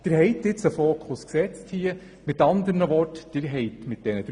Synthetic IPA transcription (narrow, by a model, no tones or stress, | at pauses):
d̪̥əɾɦɛɪt̪ːɪt͡səfoːkʰʊsksɛt͡sthiːə | mɪtɑnd̪əɾnəʋɔɾtd̥əɾɦɛɪtmɪt̚d̥ɛnəd̥